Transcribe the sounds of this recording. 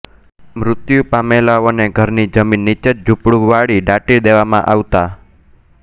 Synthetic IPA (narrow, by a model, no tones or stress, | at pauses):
mɾʊt̪jupamelaoneɡʱəɾnid͡ʒəminːit͡ʃət̪̚d͡ʒʱupɽuʋaɽiɖaʈid̪eʋamã̰ʔaʋt̪a